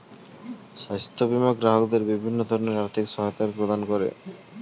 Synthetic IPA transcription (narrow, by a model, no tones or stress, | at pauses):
ʃast̪ʰːobimaɡɾaɦokd̪eɾbibʱinːod̪ʱɔɾoneɾaɾt̪ʰikʃɔɦajot̪aɾpɾod̪ankoɾḛ